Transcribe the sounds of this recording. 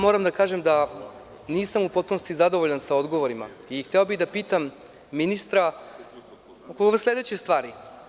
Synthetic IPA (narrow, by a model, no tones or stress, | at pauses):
moːɾamd̪akaːʒemd̪a | niːsamupo̞t̪̚puno̞st̪izad̪o̞ʋoʎansao̞d̪ɡo̞ʋoɾima̰ixt̪eobiɣd̪apiːt̪amː | inist̪ɾa | kokoʋeslʲe̞d̪et͡ɕest̪ʋaːɾi